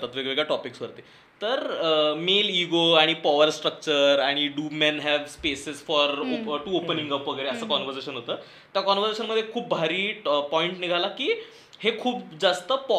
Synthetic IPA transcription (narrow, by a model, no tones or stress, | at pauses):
t̪at̪ʋeɡɭeɡɭjaʈɔpiksʋəɾt̪e | t̪əɾmeliɡoaɽ̃ipɔʋəɾsʈɾək̚t͡ɕəɾaɽ̃iɖuːmɛnɦɛʋspesesfɔɾoʈuopənĩŋɡəpʋəɡəɭeəsəːkɔnʋəɾseɕənɦot̪əː | t̪jakɔnʋəɾd͡zeɕənməd̪ʱjekʰuːp̚bʱaɾiːpɔiɳʈniɡʱalakiː | hekʰuːp̚d͡zast̪əp